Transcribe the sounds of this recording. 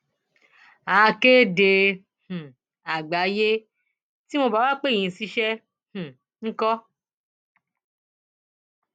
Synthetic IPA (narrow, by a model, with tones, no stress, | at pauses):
a˨˧ke˦de˧ | h̩˨ | a˨ɡ͡ba˨˦je˦ | ti˦mõ˧ba˦wa˦k͡pẽ˦˨ĩ˨˧˨si˦ʃɛ˦ | hũ˨ | ŋ̩˦kɔ˦